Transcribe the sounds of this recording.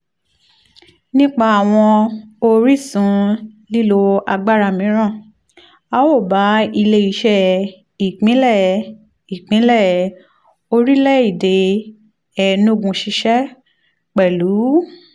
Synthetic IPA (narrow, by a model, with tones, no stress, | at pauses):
nĩ˦k͡pa˧a˨w̃ɔ̃˧o˧ɾi˦˨sũ˨˦li˦lo˧a˧ɡ͡ba˦ɾa˧˨mĩ˨˦ɾ̃ã˦˨ | a˦wo˦˨ba˨˦i˧le˧i˧˦ʃɛ˦˧ | i˨k͡pĩ˨˦lɛ˦˨ | i˨k͡pĩ˨˦lɛ˦˨ | o˧ɾi˦lɛ˦˨i˦˨de˨ | ɛ˦˨no˦˨ɡũ˧ʃi˧ʃɛ˦ | k͡pɛ˨lu˨˦